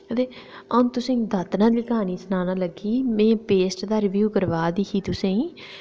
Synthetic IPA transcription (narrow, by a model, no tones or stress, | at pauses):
ət̪eː | ə̃nt̪ʊsẽːd̪ət̪nãːd̪iːkaːniːsnaːnaːləɡiːmɛ̃ːpeːsʈd̪aːɾɪʋjuːkəɾʋaːd̪iːɦiːt̪ʊsẽĩː